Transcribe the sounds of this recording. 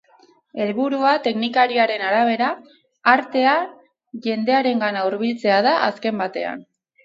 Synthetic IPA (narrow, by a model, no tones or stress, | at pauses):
e̞lβuɾuat̪e̞knikaɾiaɾe̞naɾaβ̞e̞ɾaː | ɾt̪e̞a | ʝe̞nd̪e̞aɾe̞ŋɡanauɾβ̞ilt͡se̞að̞aʔa̰ske̞mbat̪e̞̰a̰n